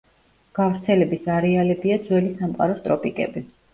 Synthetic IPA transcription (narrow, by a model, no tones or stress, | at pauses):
ɡ̥avɾt̪sʰɛlɛbisaɾɛalɛbiad̪zwɛlisamqʼa̰ɾɔst̪ʼɾɔpʼikʼɛ̰bi